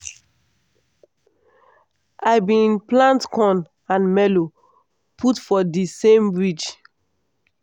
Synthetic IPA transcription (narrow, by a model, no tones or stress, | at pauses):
ʔaɪbĩnplãntkʰɔ̃n | ãnmɛlo | pʰutfɔdisẽmbɹit͡ʃ